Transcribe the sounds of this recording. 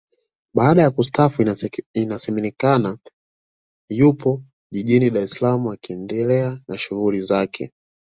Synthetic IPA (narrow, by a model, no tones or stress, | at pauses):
ɓaːɗajakustafuinasɛmɛnikana | jupɔ | ʄiʄiniɗaɾɛsalamuwakiɛndɛlɛanaʃuɣulizakʰɛ̰